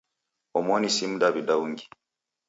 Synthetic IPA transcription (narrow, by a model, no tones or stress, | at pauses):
omonisimudaβidawuŋɡi̥